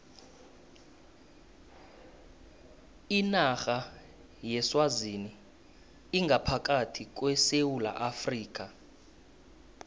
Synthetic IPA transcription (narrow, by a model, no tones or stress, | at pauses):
inaxa | jɛswazini | iŋɡʱapʰak̬ʼatʰik̬ʼwɛsewula̰ʔafriːk̬ʼa